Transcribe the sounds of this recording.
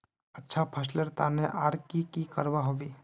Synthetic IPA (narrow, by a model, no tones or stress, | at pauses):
ətːʃʰapʰəsləɾt̪aːneʔaːɾkikikɐɾʋaɦoʋiː